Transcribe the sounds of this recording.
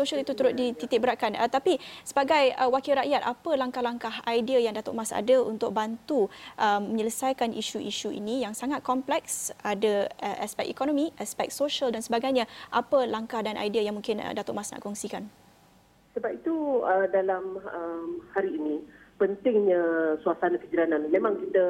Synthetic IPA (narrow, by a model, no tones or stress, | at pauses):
soʃəlit̪ut̪əɾʊt̪̚dit̪it̪ɪbəɾaʔkanət̪apisəbaɡajəwakɪlɾaʔjat̪̚apəlaŋkahlaŋkaɦajdiajaŋdat̪o̰ʔmasa̰dəunt̪ʊk̚bant̪uʔəmːə̃ɲələsajkanʔiʃuʔiʃuḭnĩjaŋsaŋat̪̚kɔmplɛk̚sadəəʔaspɛkikɔnɔmiʔaspɛk̚soʃaldansəbaɡajɲãʔapəlaŋkahdanʔa̰jdiajaŋmũŋkɪnə̰dat̪oʔmasna̰ʔkɔŋsikan | səbapit̪uədalaməmhaɾiːnĩpənt̪ɪŋɲasuasanakəd͡ʒalananmemãŋkit̪ə